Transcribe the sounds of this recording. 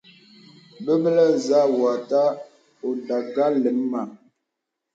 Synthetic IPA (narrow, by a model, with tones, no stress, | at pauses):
bə˦bə˦lə˦za˦wa˨ta˦ | o˨da˨ɡa˦lə˨˦m˦ma˨